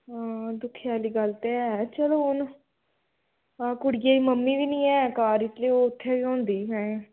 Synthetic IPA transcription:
ɦãːd̪ʊkʰːjaːliːɡəlt̪eːɛːt͡ʃəloːʊn | aːkʊɽɡaːiːməmːiːʋiːnĩːɛːkaːɾɪt̪leːoʊt̪ʰːeːʋiːõːnd̪iːɦɛ̃ːẽ

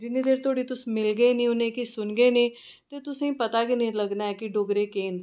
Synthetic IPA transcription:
d͡ʒɪnːeːd̪eːɾt̪ʰoaːɽiːt̪ʊsmɪlɡəenĩːʊnẽːkisʊnɡeːnĩː | t̪eːt̪ʊsẽːpət̪aːkinə̃ĩləɡnaːɛːkɪɖoːɡɾeːkeːn

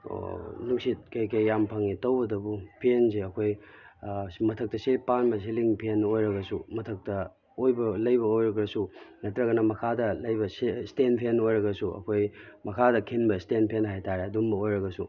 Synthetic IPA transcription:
o̰nuk̚sit̚kɐjkɐjːampʰaŋitɐwbɐdɐbupʰienseɐkʰoj | mɐtʰɐk̚tɐsipanmɐs̬iliŋpʰienojɾɐɡɐsumɐtʰɐk̚tɐ | ojbɐlɐjbɐojɾɐɡɾɐsunɐtɾɐɡɐnɐmɐkʰadɐlɐjbɐsestenpʰenojɾɐɡɐsuʔɐ̰kʰojmɐkʰadɐkʰinbɐstenpʰenɦajtʰaɾeɐdumbɐojɾɐɡɐsu

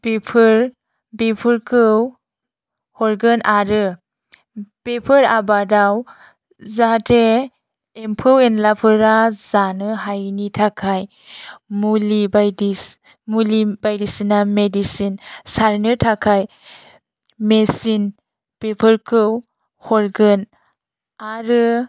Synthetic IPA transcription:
pepʰɯɾ | bepʰɯɾkʰɯw | hɔɾɡənʔaɾɯ | pepʰɯɾabadaw | zateː | mpʰɯwenlapʰɯɾazanɯɦajnitʰakʰaj | mulibadi | mulibajdisinamedisinsaɾnɯɾtʰakʰaj | mesin | pepʰəɾkʰɯw | hɔɾɡɯn | aɾɯ

